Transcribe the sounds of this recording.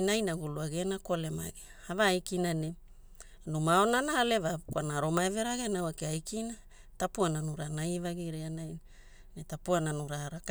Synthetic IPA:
najnaɡuluaɡenakole̞ma̰ɡe | avaːjkinane | numaonanaːle̞vakwanaɾo̞maeve̞ɾaɡenawakeajkina | tapuananuɾanajvaɡiɾianajn | netapuananuɾaːɾak

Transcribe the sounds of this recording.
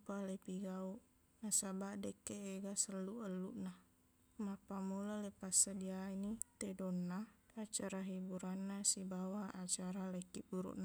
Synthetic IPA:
palepiɡauʔ | nasabaʔdekːeeɡasəlːuʔəlːuʔna | mapamulalepasədiainit̪edonːaat͡ʃaɾaɦibuɾanːasibawaat͡ʃaɾalekːiʔbuɾṵʔna

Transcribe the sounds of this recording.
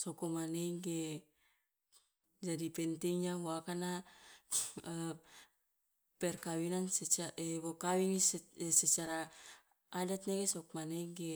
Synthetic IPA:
sokomaneŋɡe | d͡ʒadipent̪eŋɲahoakana | pɛrkawinanset͡ʃaeβokawiŋsset͡ʃaɾaː | dat̪̚nekesokmaneŋɡe

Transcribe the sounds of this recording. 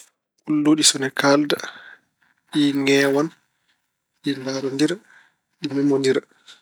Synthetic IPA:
ʔulːoːɗisɔnɛkʰalda | ɗiŋɛːwan | ɗindaɾɔndiɾ | ɗimimoniɾ

